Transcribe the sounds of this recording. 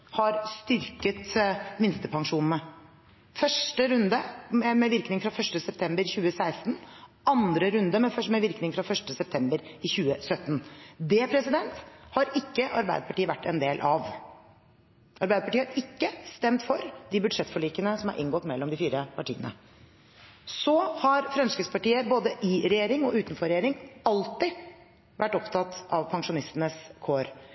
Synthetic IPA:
hɑɾst̪ʏɾkət̪mɪnst̪əpʰɑŋʂuːnn̩ə | fœʂʈəɾʉnd̪əɛmɛʋɪɾknɪŋfɾɑfœʂʈəsɛp̚t̪ʰɛmbəɾçʉːəsæɪst̪n | ɑnd̪ɾəɾʉnd̪əmɛfœmɛʋɪɾknɪŋfɾɑfœʂʈəsɛp̚t̪ʰɛmbəɾɪçʉːəsœt̪ːnd̪ɛpʰɾɛsɪd̪ɛnt̪hɑɾɪkːəʔɑɾbæɪd̪əpʰɑʈiːʋæʈːɛnd̪eːlʔɑʋ | ʔɑɾbæɪd̪əpʰɑʈiːhɑɾɪkːəst̪ɛmt̪fɔɾd̪ɪbʉd̪ʂɛt̪ːfɔɭiːkənəsɔmɑ̰ɾʔɪ̰ŋɡɔt̪mɛlːɔmd̪ɪfiːɾəpʰɑʈʰḭːənə̰ | sɔhɑɾfɾɑnskəspɑʈiːəboːd̪əʔɪɾɛjeːɾɪŋɔʉːt̪n̩fɔɾɛjeːɾɪŋɑlt̪ɪ | ʋæʈːɔpt̪ʰɑt̪ɑʋpʰɑŋʂʊnɪst̪nəskʰoːɾ

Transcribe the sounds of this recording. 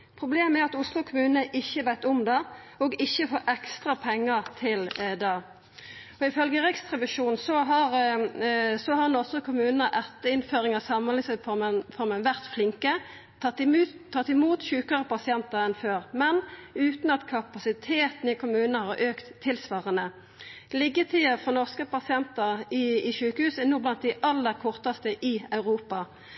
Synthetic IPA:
pʰɾʊbleːmæɾɑt̪ʊslʊkʰʊmʉːnəʔɪçːəʋæɪt̪ɔmd̪ɛɔɡɪçːəfoːʔɛkst̪ʁɑpʰɛŋːət̪ʰɪld̪ɛ | ɔɪfœlɡəʁɪkst̪ʰʁɛʋɪʂuːnsɔɦɑʁ | sɔhɑɾnɔsɔkʰʊmʉːnnəʔɛt̪ːəɪnføːɾɪŋɑsɑmːəlɪsəfɔmənfɔɾmənʋæʁt̪flɪŋkə | ɑt̪ːɪmuːt̪ʃʉːkəʁəpɑsɪɛnt̪əʁɛnføːʁmɛnʉːt̪nɑt̪kʰɑpɑsɪt̪ʰeːt̪nɪkʰʊmʉːnənəhɑɾʔøːkt̪ʰːɪlsʋɑːʁənə | lɪɡət̪ʰiːəfʁɔnɔʁskəpɑsɪɛnt̪əʁɪɪʃʉːkəhʉːsɛnuːblɑnt̪̚d̪ɪʔɑlːəʁkʰɔʁt̪ɑst̪əʔɪɑʉʁuːpɑ

